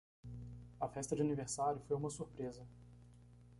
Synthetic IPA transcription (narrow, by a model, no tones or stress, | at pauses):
ɐfɛst̪ɐd͡ʒɪɐniveɾsaɾjʊfojũmɐsuɾpɾezɐ